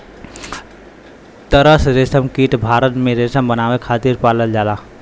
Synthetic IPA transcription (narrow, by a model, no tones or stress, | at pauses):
t̪əɾəsɾesəmkiʈbʱaɾət̪mẽɾesəmbənaʋekʰat̪iɾpaləld͡ʒala